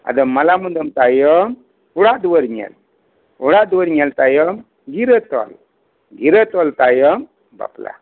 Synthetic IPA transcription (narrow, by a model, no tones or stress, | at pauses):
a̰d̪əmːəlamənd̪əmt̪ajəm | uɽad̪wəɾɲɛ̰l | uɽad̪wəɾɲɛlt̪ajəm | ɡiɾət̪ɔ̰l | ɡiɾət̪ɔlt̪ajəm | ba̰pla̰